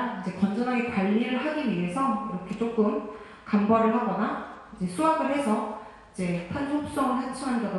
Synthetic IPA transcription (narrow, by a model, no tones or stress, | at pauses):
id͡ʑe̞kʌnd͡ʑʌnaɡepaʎːiɾɯɭɦaɡinɥie̞sʰʌiɾʌkʰe̞t͡ɕ͈ok͈ɯm | kambaɾɯɭɦaɡʌnaid͡ʑe̞sʰuaɡɯɭɦe̞sʰʌ | id͡ʑe̞pʰansʰok̚s͈ʌŋɯɭhant͡ɕʰɯŋɦandado